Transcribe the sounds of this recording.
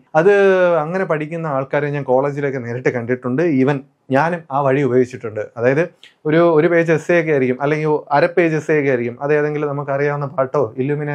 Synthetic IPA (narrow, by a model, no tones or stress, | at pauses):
ɐðɨɐŋːɐne̞pɐʈʰikʲːunːɐaːɭkaːɾeɲaːnko̞ːɭeːd͡ʑilo̞kːeneːɾɐʈːɨkɐɳɖiʈːuɳɖɨiʋɐn | ɲaːnumaːʋɐɻiubɐjoːit͡ɕːiʈːuɳɖɨɐðaːjɐðɨ | o̞ɾuoɾupe̞ːd͡ʑesjeːkːeaːɾikʲːumʔɐlːe̞ŋɡilɐɾɐpːe̞ːd͡ʑesjekːeaːɾikʲːumɐðeːɐðe̞ŋɡilmnɐmukːɨɐrijaːmɐnːɐpaːʈːo̞ːilːuːmine